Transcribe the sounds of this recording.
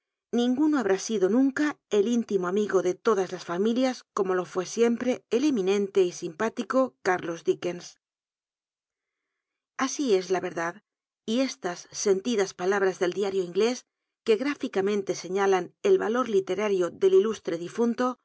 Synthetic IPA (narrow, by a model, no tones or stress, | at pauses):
nĩŋɡuno̞aβ̞ɾasiðo̞nũŋkae̞lint̪imoamiɣo̞ðe̞t̪o̞ðazlasfamiljasko̞mo̞lo̞fwe̞sje̞mpɾe̞ːlemĩnẽ̞nt̪e̞isimpat̪iko̞kaɾlo̞zðike̞ns | asie̞zlaβe̞ɾðað | ie̞st̪asːe̞nt̪iðaspalaβ̞ɾazðe̞ld̪jaɾjoiŋɡle̞s | ke̞ɣɾafikamẽ̞nt̪e̞se̞ɲalane̞lβa̰lo̞ɾlit̪e̞ɾaɾjo̞ðe̞lilust̪ɾe̞ðifunt̪o̞